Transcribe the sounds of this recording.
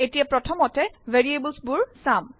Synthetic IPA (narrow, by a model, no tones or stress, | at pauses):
etijapɹɔtʰɔmɔtɛveɹiebəlsbʊɹsam